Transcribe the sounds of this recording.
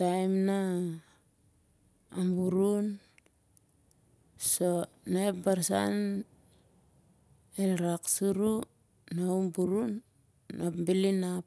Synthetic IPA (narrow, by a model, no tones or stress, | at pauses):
tajmna | mbuɾun | so̞ | naepbaɾsa̰n | elɾaksuɾu | nawmbuɾunː | apmbilinap